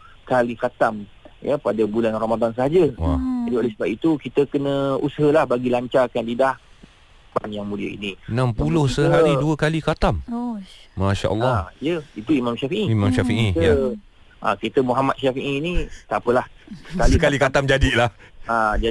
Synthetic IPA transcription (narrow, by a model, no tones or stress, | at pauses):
kalikat̪am | japadabulanramadans̬əɦad͡ʒəwa̰d͡ʒadiolesəbap̚it̪ukit̪əkənə̃usəɦəlahbaɡilaɲt͡ʃarkandidah | banjaŋmũdia̰ḭnĩnãmpulʊhsəɦaɾiduəkalikat̪amː | aʃa̰ʔə̰lːɔjəit̪uimãmʃafiʔiimãmʃafiʔija | ʔa̰kit̪əmuɦamat̪̚ʃafiʔinit̪apəlahkalikalikat̪amd͡ʒadilahad͡ʒa